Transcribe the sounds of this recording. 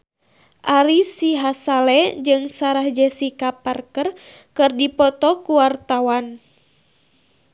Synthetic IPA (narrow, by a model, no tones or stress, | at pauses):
ʔaɾisiɦasalɛd͡ʒɨŋsaɾahd͡ʒɛsikaparkər | kɨrdipɔt̪ɔkuwart̪awan